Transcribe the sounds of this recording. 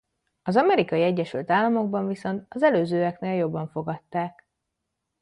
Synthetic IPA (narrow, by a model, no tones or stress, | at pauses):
ɒzɒmɛɾikɒjiɛɟːɛʃylt̪aːlːɒmo̞ɡ̚bɒɱviso̞nt̪ɒzɛløːzøːɛkneːljo̞bːɒɱfo̞ɡɒt̪ːaːk